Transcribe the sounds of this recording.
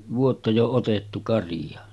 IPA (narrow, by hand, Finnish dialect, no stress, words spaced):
ʋuotːɑ jo otetːu kɑrij̆ɑ